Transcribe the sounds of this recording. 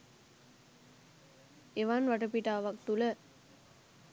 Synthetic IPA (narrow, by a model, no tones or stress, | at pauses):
eʋanʋaʈəpiʈaːʋakt̪ulə